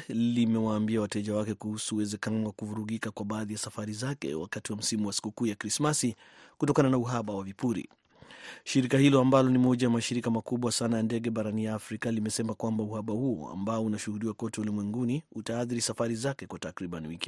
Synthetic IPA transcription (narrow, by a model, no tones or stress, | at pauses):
limɛwaːmbiawatɛʄawakɛkuhusuːwɛzɛkanɔwakuvuɾuɣikakwaɓaːðijasafaɾizakɛ̰wa̰katiwam̩simuwasi̥kukuːjakɾismasi | kutɔkananauɦaɓawavipuɾḭ | ʃiɾikahilɔambalɔnimɔʄajamaʃiɾikamakuɓwasanajandɛɡɛɓaɾanijaːfɾikalimɛsɛmakwambauhaɓahuɔ̰a̰mbaɔunaʃuhuɗiwakɔtɛulimwɛŋɡuniutaːθiɾisafaɾizakɛkwatakɾiɓaniwiki̥